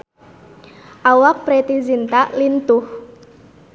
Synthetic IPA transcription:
ʔawak̚pɾet̪izint̪aʔlint̪ʊh

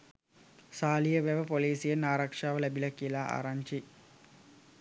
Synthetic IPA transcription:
saːlijəʋæʋəpoliːsijenːaːɾakʂaːʋəlæbilɐkijəlaːʔa̰ɾaɲt͡ʃi

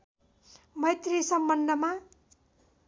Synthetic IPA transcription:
mʌjt̪risʌmbʌnd̪ʱʌma

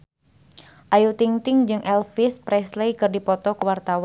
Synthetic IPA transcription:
ʔajut̪iŋt̪ɪŋd͡ʒɨŋʔɛlfɪspɾɛslejkɨrdipɔt̪ɔkəwart̪awa

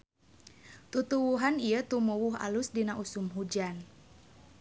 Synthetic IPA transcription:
t̪ut̪uwuɦaniət̪umuwuɦa̰lusdinaʔusumɦud͡ʒan

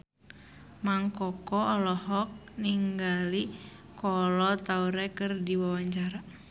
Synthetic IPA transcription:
maŋkɔkɔɔlɔɦɔk̚niŋɡali | kɔlɔt̪auɾɛkɨrdiwawaɲt͡ʃaɾa

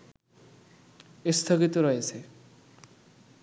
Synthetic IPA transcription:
est̪ʰoɡit̪oɾɔet͡sʰe

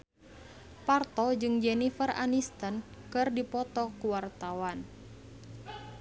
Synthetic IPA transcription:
part̪ɔd͡ʒɨŋd͡ʒɛnifəra̰nist̪ən | kɨrdipɔt̪ɔkuwart̪awan

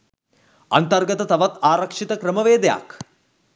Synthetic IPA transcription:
ɐ̰nt̪ɐrɡɐt̪ɐt̪ɐʋɐt̪aːɾɐkʂit̪ɐkɾɐmɐʋeːd̪ɐja̰ːk

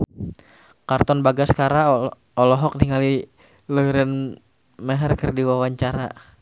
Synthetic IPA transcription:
kart̪ɔnbaɡaskaɾa | ɔlɔɦɔk̚niŋali | ləɾən | mɛɦɛrkərdiwawaɲt͡ʃaɾa̰

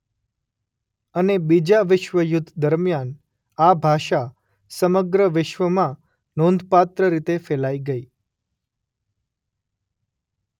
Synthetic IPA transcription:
ənebid͡ʒaʋɪʃʋəjʊd̪ʱːd̪əɾmjan | abʱaʃa | səməɡɾəʋɪʃʋəmã | nõnd̪ʱpat̪ɾəɾit̪efɛlaiɡəi

